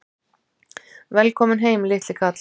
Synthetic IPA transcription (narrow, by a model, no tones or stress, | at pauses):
vɛlkʰɔmɪnɦeːjmlɪt̪lɪkʰat̪l